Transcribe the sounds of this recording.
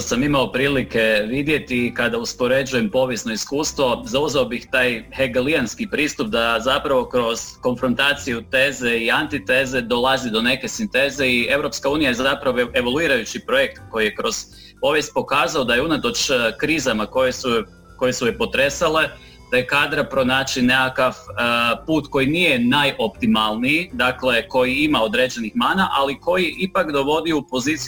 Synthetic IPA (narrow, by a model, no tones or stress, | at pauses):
samimao̞pɾiːlike̞ʋid̪je̞t̪ikad̪auspo̞ɾe̞d͡ʒuje̞mpo̞ʋjesno̞iskuːst̪ʋo̞zauzeobixt̪aːjheɡelianskipɾiːst̪up̚d̪azapɾaʋo̞kɾo̞z̥ko̞nfɾo̞nt̪aːt̪sijut̪e̞ːze̞iant̪it̪e̞ːze̞d̪o̞lˠazid̪o̞ne̞ke̞sint̪e̞ze̞ie̞ʋɾo̞pskauːnijajezapɾaʋoe̞ʋoluiːɾajut͡ɕipɾo̞jekt̪ko̞jije̞kɾo̞z̥ | po̞ʋje̞st̪̚po̞kaːzaod̪ajeunat̪o̞t͡ʃkɾiːzamako̞jesu | ko̞jesujepo̞t̪ɾe̞sale̞ | d̪̥ajekaːd̪ɾapɾo̞naːt͡ʃinekakaʋpuːt̪ko̞jinije̞najʔo̞pt̪imalˠniid̪akle̞ko̞jiimao̞d̪ɾe̞ːd͡ʒe̞nixmaːnaʔaliko̞jiipakd̪o̞ʋo̞d̪iuupo̞ziːt̪si